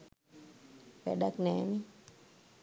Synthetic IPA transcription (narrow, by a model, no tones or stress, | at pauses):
pɛ̰ɗaknɛːni